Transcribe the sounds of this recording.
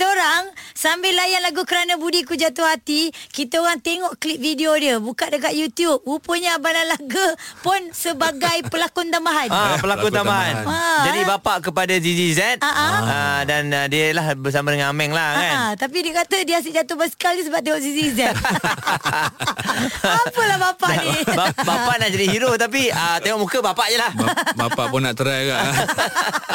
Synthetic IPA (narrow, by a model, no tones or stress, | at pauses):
t̪oɾaŋsambɪlajanlaɡukəɾanãbudikud͡ʒat̪ʊhat̪ikit̪əoɾaŋt̪eŋɔʔklip̚vidiodiəbukat̪̚dək̬at̪̚jut̪iup̚upəɲaabanalaɡəpʊnsəbaɡajpəlakʊnt̪ambaɦanapəlakʊnt̪ambaɦanad͡ʒadibapaʔkəpadazizizɛt̪̚aʔaədanədiəlahbərs̬amadəŋanamɛŋlahkant̪ap̬idiəkat̪ədiaas̬iʔd͡ʒat̪ʊhbasə̥kalis̬əbaʔ̚t̪̬eŋɔʔzizizɛ | apəlahbapaʔniabapaʔnaʔd͡ʒadihiɾʊt̪ap̬iət̪eŋɔʔmukəbapaʔjəlahbapa̰ʔpʊnːaʔt̪əɾakaʔ